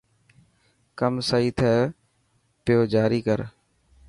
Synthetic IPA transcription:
kəmsaːiːt̪ʰɛː | pɪjoːd͡ʒaːɾiːkəɾ

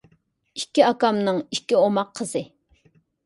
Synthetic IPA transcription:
ikʲɪɑkamnɪŋiʃkʲɪomɑqʰːəsɪ

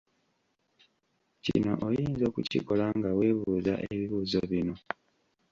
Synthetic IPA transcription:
cḭno̞̰ʔojiːnzo̞ːkucḭko̞laŋɡawe̞βuːza̰ʔeβiβuːzo̞βino̞

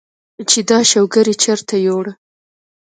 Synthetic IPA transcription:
t͡ʃed̪ɑʃawɡəɾit͡ʃaɾt̪ajoɽə

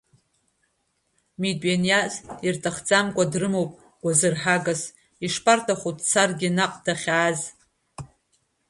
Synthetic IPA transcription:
midʼɥenjazirtʼʰaχd͡zʼamkʷʼadrɨmowpʼ | ɡ̥ʷazɨrħaɡas | iʂpʰʼartʰʼaχutʼt͡sʰarɡʲinaqʼdaχʲaːz

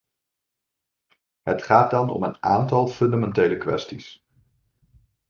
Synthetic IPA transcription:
ɦətχaːt̚dɑnɔ̰mənaːntɑlˠfɵndamɛntejləkʋɛ̰stis

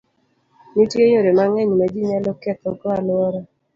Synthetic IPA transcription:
nitjeɲoɾemaŋɛɲmad͡ʒiɲalɔkɛt̪okɔalʊɔɾɔ

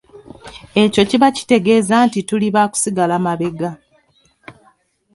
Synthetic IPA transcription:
e̞co̞ciβaci̥te̞ɡe̞ːzaːntituliβaːku̥siɡalamaβe̞ɡa

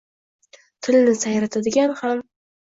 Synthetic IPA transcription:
t̪ʰɪlnɪsajɾat̪ʰad̪ɪɡʲanham

